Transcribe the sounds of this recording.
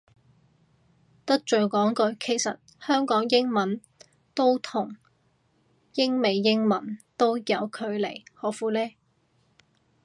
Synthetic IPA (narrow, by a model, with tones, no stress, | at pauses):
t̪ɐ˥k̚t͡ʃɵ˨ɥkɔː˨˥ŋkɵ˧kʰe˨˩jsɐ̰˨t̚hœː˥ŋkɔː˨˥ŋjɪ˥ŋmɐ˨˥n | t̪o˥wt̪ʰʊ˨˩ŋ | jɪ˥ŋme˨˧jːɪ˥ŋmɐ˨˥nt̪o˥wjɐ˨˧wkʰɵ˨˧ɥlḛ˨˩jhɔː˨˥fuː˨˧lɛː˥